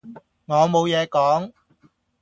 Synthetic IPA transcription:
ŋɔː˨˧mo˨˧wjɛː˨˧kɔː˨˥ŋ

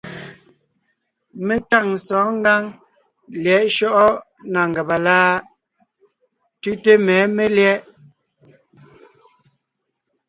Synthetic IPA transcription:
me˦ta˦˨ŋ̩˨sɔː˨˦ŋ˦ɡa˦ŋ | ljɛ˨˦ʔʃɔ˦ʔɔ˦ | na˨ŋ˨ɡɛ˨ba˨laː˦ | tʉ˦te˦mɛː˨˦me˦ljɛ˦ʔ

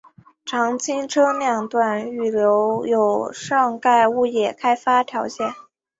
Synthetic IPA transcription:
ʈ͡ʂʰɑ˧˥ŋt͡ɕʰi˥ŋʈ͡ʂʰɤ˥njɑ˥˩ŋt̪wa˥˩ny˥˩ljo˧˥ʊjo˨˩ʊʂɑ˥˧ŋka˥˧ɪu˥˧jɛ˥˩kʰa˥ɪfa˥t̪ʰjɑ˧˥ʊɕjɛ˥˩n

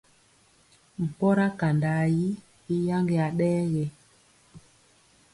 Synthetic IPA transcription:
m̩˨pɔ˦ɾa˦ka˨nda˨ji˦ | i˦ja˦ŋɡe˨a˨ɗɛː˦ɣe˨

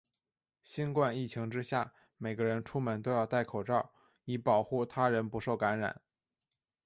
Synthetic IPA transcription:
ɕi˥nkwa˥˧ni˥˩t͡ɕʰi˧˥ŋʈ͡ʂɻ̩˥ɕja˥˩ | me˨˩ɪɡə˦ɻə˧˥nʈ͡ʂʰu˥mə˧˥nt̪o˥ʊjɑ˥˧ʊt̪a˥˩ɪkʰo˨˩ʊʈ͡ʂɑ˥˩ʊ | i˧˩pɑ˨˩ʊxu˥˩t̪ʰa˥ɻə˧˥npu˧˥ʂo˥˩ʊka˧˥nɻa̰˨˩˦n

